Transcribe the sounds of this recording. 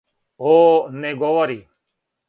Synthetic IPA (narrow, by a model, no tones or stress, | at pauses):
ɦoːneɡoːʋaɾiː